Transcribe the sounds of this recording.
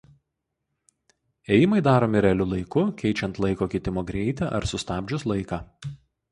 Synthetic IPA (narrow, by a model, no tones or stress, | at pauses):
eːjɪmɐɪd̪ɑːɾoːmʲɪɾʲɛlʲʊlˠɐɪkʊkʲɛɪt͡ʃʲɛnt̪lˠɐɪkoːkʲɪt̪ʲɪmoːɡɾʲɛɪt̪ʲɛʔɐ̰ɾsʊst̪ɑːbʲd͡ʒʲʊslˠɐɪkɑː